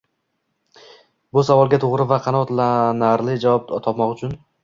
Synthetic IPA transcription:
bʊsavɒlˠɡʲat̪ʰoʁɾɪvaqʰɑnɒt̪lanaɾlɪd͡ʒavɒp̚t̪ʰɒpmɒqʊt͡ʃʰʊn

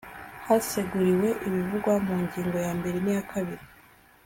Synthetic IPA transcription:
hase̞ɡuɾiwe̞ʔimivuɡwamuːɲɟiːŋɡo̞jaːmbe̞ɾenijakʰaβiɾi

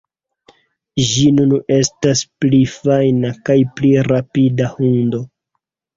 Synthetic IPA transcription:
ʒinune̞stasplifajnakajpliɾapidahundo̞

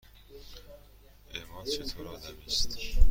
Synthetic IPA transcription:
emɒːnt͡ʃʰet̪ʰoɾɒːd̪æmist̪

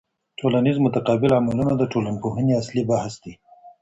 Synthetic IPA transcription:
ʈolanizmʊt̪aqɑbɪlamalunad̪əʈolanpoɦəniaslibahsd̪i

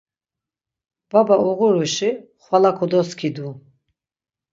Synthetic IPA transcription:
b̥abauʁuɾuʃiχwalakʰɔd̪ɔskʰid̪u

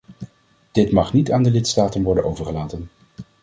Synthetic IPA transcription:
d̥ɪtmɑχnitaːndəlɪtstaːtənʋɔɹdənʔowvəɹχəlaːtən

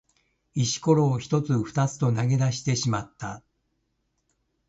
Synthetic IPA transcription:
iɕi̥ko̞ɾo̞ːçi̥t̪o̞t͡sɨɸɯ̥t̪at͡sɨ̥t̪o̞naɡe̞d̪aɕi̥t̪e̞ɕimat̪ːa

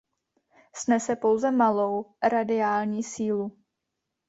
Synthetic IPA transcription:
snɛsɛpo̞wzɛmalowɾadɪaːlɲiːsiːlu

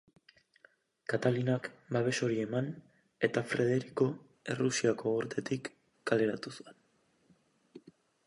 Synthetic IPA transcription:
kat̪alinakbaβ̞e̞so̞ɾie̞man | e̞t̪afɾe̞ð̞e̞ɾiko̞ | e̞rusiako̞uɾt̪ʰe̞t̪ikː | ale̞ɾat̪usue̞n

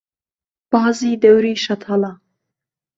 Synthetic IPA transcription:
b̥ɑːzid̪awɾiːʃat̪ʰala

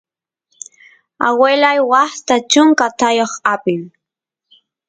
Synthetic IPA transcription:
awelajwaχt̪at͡ʃʊŋkat̪ajoχapɪm

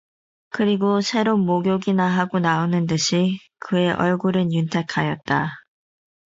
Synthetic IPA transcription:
kɯɾiɡosʰe̞ɾonmoɡjoɡinaɦaɡonaonɯndɯɕʰi | kɯe̞ʔʌɭɡuɾɯnjuntʰe̞kʰajʌt̚t͈a

